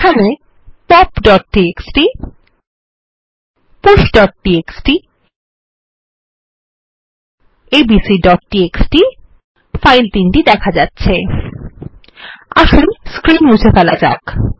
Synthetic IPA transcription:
kʰane | pɔpɖɔʈ̚ːieksʈi | puʃɖɔʈ̚ʈieksʈi | ebisiɖɔʈʈieksʈi | fajlt̪inʈid̪ɛkʰad͡ʑatːɕʰe | a̰ʃonskɾinud͡ʑʰʱefɛlad͡ʑa̰k

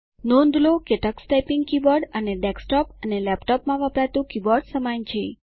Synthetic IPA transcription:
nond̪lokeʈaksʈajpiŋɡkibɔɾɖəneɖɛksʈɔpənelɛpʈɔpmãʋəpɾat̪ũkibɔɾɖsəmaɲt͡ʃʰe

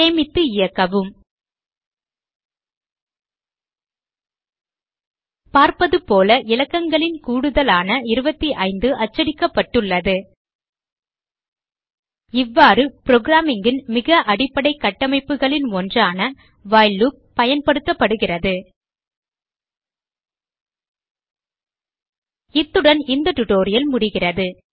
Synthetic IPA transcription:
eːmɪt̪ːɯɪjɐkːɐʋɯm | paːɾpɐðɯpoːlɐʔɪlɐkːɐŋɡɐɭɪnkuːɽɯðɐlaːnɐɪɾɯbɐt̪ːiʔɐɪnd̪ɯʔɐt͡ʃːɐɽɪkːɐpːɐʈːɯɭːɐðɯ | ɪʋːaːɾɯpɪɾoːɡɾaːmɪŋɡɪnmɪɣɐʔɐɽɪpːɐɽɐɪkːɐʈːɐmɐɪpːɯɣɐɭɪnɔndraːnɐ | ʋaːɪlu | pːɐjɐnpɐɽɯt̪ːɐpːɐɽɯɣɪrɐðɯ | ɪt̪ːɯɽɐnɪnd̪ɐʈ̪ʊʈoːɾɪjɐlmʊɽɪɣɪrɐðɯ

